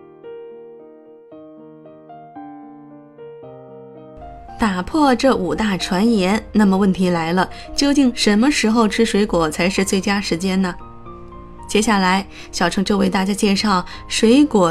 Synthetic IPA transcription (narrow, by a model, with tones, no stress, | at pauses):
t̪a˨˩pʰwɔ˥˧ʈ͡ʂɤ˥˩ʔu˨˩t̪a˥˩ʈ͡ʂʰwa˧˥njɛ˧˥nna˥˩mə˩wə˥˩nt̪ʰi˧˥la˧˥ɪlə˧t͡ɕjo˥˧ʊt͡ɕi˥˩ŋʂə˧˥nmə˧ʂɻ̩˧˥xo˥˧ʊʈ͡ʂʰɻ̩˥ʂwe˧˥ɪkwɔ˨˩t͡sʰa˧˥ɪʂɻ̩˥˧t͡swe˥˩ɪt͡ɕja˥ʂɻ̩˧˥t͡ɕjɛ˥nnə˨ | t͡ɕjɛ˥ɕja˥˩la˧˥ɪ | ɕjɑ˨˩ʊʈ͡ʂʰɤ˧˥ŋʈ͡ʂo˥˧ʊwe˥˧ɪt̪a˥˩t͡ɕja˥t͡ɕjɛ˥˧ʂɑ˥˩ʊ | ʂwe˧˥ɪkwɔ˨˩